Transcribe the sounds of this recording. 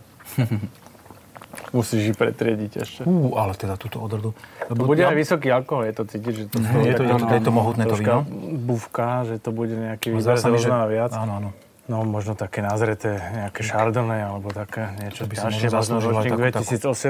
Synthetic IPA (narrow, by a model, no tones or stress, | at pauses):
musiːʒipɾɛ̰t̪ɾɪɛɟicɛ̰ʃɛuːalɛt̪ɛd̪at̪uːt̪ɔɔd̪ɾrɔd̪uɔbuɟɛajʋisɔkiːalkɔɦɔljɛt̪ɔt͡siːcid͡ʒʒɛt̪ɔt̪ɔɛat̪t̪ɛt̪ɔmɔɦuːt̪nɛɾɔkabufkaʒɛt̪ɔbuɟɛɲɛakiːʋizɾɛzɾɔnaaʋɪat͡saːaːnɔ | nɔmɔʒnɔt̪akɛːnazɾɛt̪ɛːɲɛakɛʃaɾd̪lnɛːalɛbɔt̪akɛːɲɪɛt͡ʃɔiaɔɛmɔʒnɔɾɔt͡ʃniŋɡd̪ʋɛt̪isiːd͡zɔsɛ